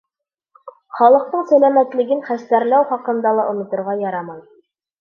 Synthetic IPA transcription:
χɑlˠɤ̆q̚t̪ɤɴsælæmæt̪lɘ̆ɡɘnχæst̪æɾlæwχɑqɤ̆nd̪ɑlˠɑʔŏnŏt̪ŏɾʁɑjɑɾɑmɑj

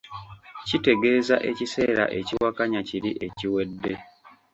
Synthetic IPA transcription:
cite̞ɡe̞ːzaʔe̞cise̞ːɾa̰ʔe̞ciwakaɲaciɾiʔe̞ciwe̞dːe̞

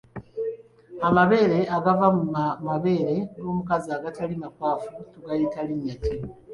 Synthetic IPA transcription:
amaβe̞ːɾe̞aɡavammaβe̞ːɾe̞ɡoːmukaziaːɡatalimakwaːfutuɡajitaliɲːatʰi

